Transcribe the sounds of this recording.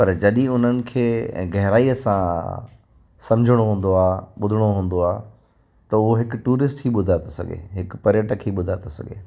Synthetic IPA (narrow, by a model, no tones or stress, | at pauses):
pɐɾd͡ʑɐɗĩʊn̤ənɪ̆kʰeːɡɐɦɾaːiɐsã | sɐ̃md͡ʑʱəɽ̃oɦũːn̆d̪oaːɓʊd̪ʱəɽ̃oɦũːn̆d̪oaː | t̪ɐʊɦoɦɪkʊʈuːɾɪsʈɦiːɓʊd̪ʱaːt̪osɐ̰ɡḛɦɪkpɐɾɪjəʈəkʰiːɓʊd̪ʱaːt̪osɐ̰ɡʱḛː